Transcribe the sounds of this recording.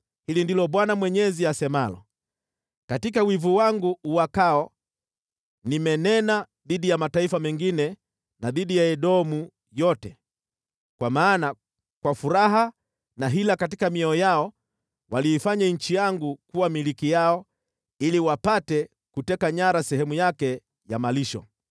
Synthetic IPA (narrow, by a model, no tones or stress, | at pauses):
hilindilɔɓwanamwɛɲɛziasɛmalɔ̰ | katikawivuwaŋɡuːwakaɔ | nimɛnɛna | ðiɗijamataifamɛŋɡinɛ | naðiɗijaɛɗɔmu | jɔtɛ | kwamaːna | kwafuɾaɦa | naɦilakatikamiɔjaɔ | waliːfaɲaɲ̩t͡ʃijaŋɡukuwamilikijaɔ | iliwapatɛ | kutɛkaɲaɾasɛhɛmujakɛ | jamaliʃɔ̰